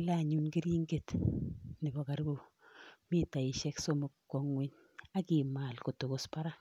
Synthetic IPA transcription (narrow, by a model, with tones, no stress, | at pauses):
la˨ɲu˦nki˦ɾi˦ŋɡet | ni˨bɔ˨ka˨ɾbo˨ | mi˦ta˨i˨ʃɛkso˦mʊ˨kkːɔ˦ŋwi˦ɲ | a˦kima˨lko˨to˨ko˦spa˦ɾa˦